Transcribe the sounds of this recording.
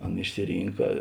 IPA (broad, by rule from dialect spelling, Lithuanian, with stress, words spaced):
ˈɐn ɪʃʲsʲɪˈrʲiːŋkɐ